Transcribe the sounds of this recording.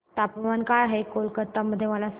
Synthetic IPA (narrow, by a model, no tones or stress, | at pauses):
t̪apʋankajaɦekolkət̪ːaməd̪ʱːjeməlas